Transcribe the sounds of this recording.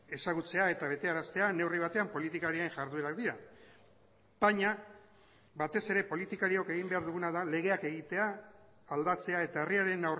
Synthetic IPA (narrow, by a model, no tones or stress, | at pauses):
e̞saɣut͡se̞ae̞t̪aβ̞e̞t̪e̞aɾast̪e̞ane̞wriβ̞at̪eampo̞lit̪ikaɾiaeŋʝaɾðue̞ɾakd̪iɾa | b̥aɲa | bat̪e̞se̞ɾe̞po̞lit̪ikaɾio̞ke̞ɣimbe̞aɾðuɣ̞unaðale̞ɣ̞e̞ake̞ɣ̞it̪e̞aː | ld̪at͡se̞ae̞t̪aeriaɾe̞nawr